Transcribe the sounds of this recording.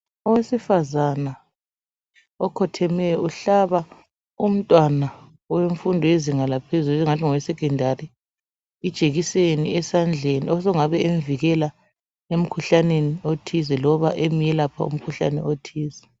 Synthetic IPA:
ɔwesifazana | ɔkʰɔtʰɛmɛuɬaβa | um̩tʼwana | weɱfundʱɔeziŋalapʰezuluiŋantʰiŋɔwɛsɛkʰɛndʱari | id̥ʒ̥ʱeɣiseniɛsand͡ɮʱeniɔsɔŋaβɛeɱviɣɛla | em̩kʰuɬaneniotʰizɛlɔβaʔemijɛlapʰa̰ṵm̩kʰuɬa̰nɛ̰otʰiːzɛ

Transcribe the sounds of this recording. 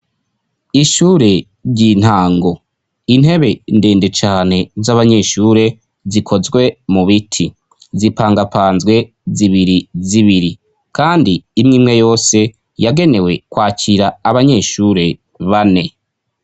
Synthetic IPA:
iʃuːɾe̞ | ɾɟin̥haːŋɡo̞ | in̥he̞βe̞nde̞ːnde̞t͡ʃaːne̞zaβaɲe̞ʃuːɾe̞ | zikʰo̞zɡwe̞muβitʰi | zipaːŋɡapaːnzɡwe̞ | ziβiɾiziβiɾi | kʰaːndiːmŋiːmŋe̞jo̞ːse̞ | jaɡe̞ne̞we̞kwaːcʰiɾaːβaɲe̞ʃuːɾe̞ | βane̞

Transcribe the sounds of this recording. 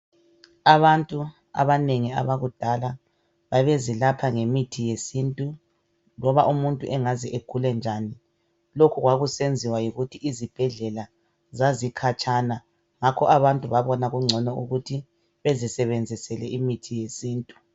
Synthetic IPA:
aβantʼu | a̰βaneŋia̰βaɣud̥ʱala | βaβezilapʰaŋemitʰijesintʼu | lɔβaʔumuntʼṵʔɛŋazɛʔekʰulɛnd͡ʒʱani | lokʰuɣwaɣusend͡zʱiwajiɣutʰiʔizib̥ʱɛɮɛla | zazikʰat͡ʃʼana | ŋakʰɔʔaβantʼuβaβɔnaɣuŋ͡ǀʱɔnɔuɣutʰi | βezisɛβend͡zʱisɛlɛʔimitʰijesiːntʼu̥

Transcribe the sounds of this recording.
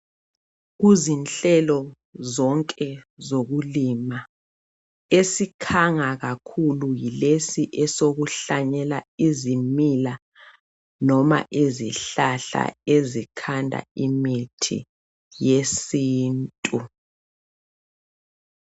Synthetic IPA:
ɣuzinɬɛlɔ | zɔŋkʼɛzoɣulima | esikʰaŋaɣakʰulujilesiʔɛsoɣuɬaɲɛlaizimila | nɔma̰ʔeziɬaɬa̰ezikʰandʱa̰imitʰḭ | jesiːntʼu

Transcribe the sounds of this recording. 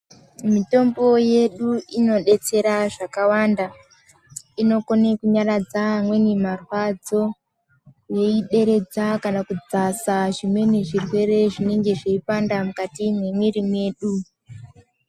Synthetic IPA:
mito̞mbo̞je̞ɗuino̞ɗe̞t͡se̞ɾaʐakawanda | ino̞konekuɲarad͡zamwe̞nimarwad͡zo̞ | je̞iɗe̞ɾe̞d͡zakanakud͡zasaʐimwe̞neʐirwe̞ɾe̞ʐine̞ŋɡe̞ʐeipandamukatimwemwiɾimwe̞ːɗu

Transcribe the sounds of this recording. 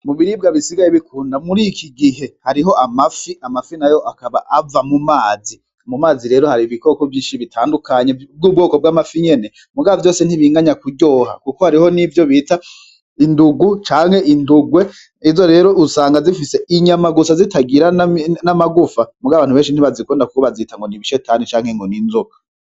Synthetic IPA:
muβiɾibɡaβisiɡajeβikʰuːndamuɾikʰiɡiɦe̞haɾiɦo̞ʔamafiamafinajoʔakaβaʔavamumaːzi | mumaːziɾe̞ːɾohaɾiβiko̞kovjiːnʃiβitʰaːndukʰaɲeb̚ɡuːb̚ɡo̞ːko̞b̚ɡaːmafiɲe̞ne̞ | muɡaavjo̞ːse̞n̥iβiːŋɡaɲakuɟo̞ːɦa̰kukohaɾiho̞nivjo̞βiːta | induɡut͡ʃaːŋ̥he̞ʔinduɡwe̞ | izo̞ɾe̞ːɾo̞usaːŋɡazifise̞iɲamaɡusazitaɡiɾanamaɡufamuɡaaβaːnhuβe̞ːnʃin̥iβazikoːndaku̥kuβazitaŋɡo̞niβiʃetanit͡ʃaːŋ̥he̞ŋɡo̞ninzokḁ

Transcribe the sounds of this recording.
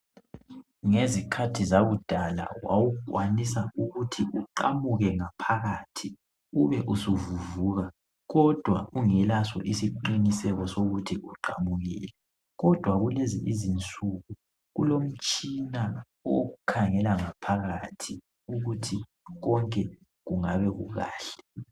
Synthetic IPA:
ŋezikʰatʰizaβud̥ʱala̰wa̰wukʼwanisauɣutʰiʔuǃamuɣɛŋapʰaɣatʰi | uβɛʔusuvuvuːɣa | ɣɔd̥ʱwa̰ʔuŋɛlasɔ̰ʔisiǃinisɛɣɔsoɣutʰiʔuǃamuɣḭːlɛ | ɣɔd̥ʱwaɣuleziʔizint͡sʼuɣu | ɣulom̩t͡ʃʼina | o̰ɣukʰaŋɛlaŋapʰaɣatʰi | uɣutʰi | ɣɔŋkʼɛ | ɣuŋaβɛɣṵɣa̰ːɬɛ̥

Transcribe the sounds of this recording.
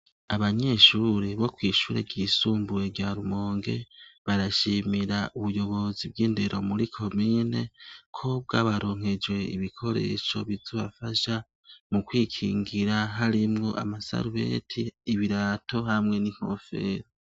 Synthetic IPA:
aβaɲe̞ʃuːɾe̞βo̞kwiːʃuːɾḛɟisuːmbuɾe̞ɾɟaɾumo̞ːŋɡe̞̰βaɾaʃimiɾaʔuβujo̞βo̞zibɡiːndeɾʔo̞muɾikʰo̞mine̞kʰo̞b̚ɡaβaɾo̞ːŋ̥he̞d͡ʒwe̞ḭβikʰo̞ɾe̞̰ʃo̞βizoβafaʃa | mukwiːkʰiːŋɡiɾaɦaɾimŋo̞ʔa̰masa̰ɾuwḛtʰiːβiɾaːto̞hamŋe̞niŋ̥ho̞̰fe̞̰ːɾ

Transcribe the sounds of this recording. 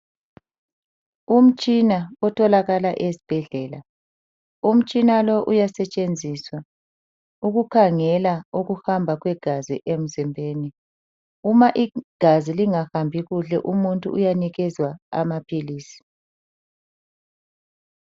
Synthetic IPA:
um̩t͡ʃʼinaɔtʰɔlaɣalaʔezib̥ʱɛɮɛːla | um̩t͡ʃʼinalɔʔujasɛt͡ʃʼend͡zʱiːswa | uɣukʰaŋɛlauɣuhambʱaɣwɛɡ̥ʱazḭʔem̩zimbʱeːni | umaʔiɡ̥ʱaziliŋahambʱiɣuɬɛ̰ʔumuntʼṵʔujaniɣɛzwaa̰mapʰiliːsi̥

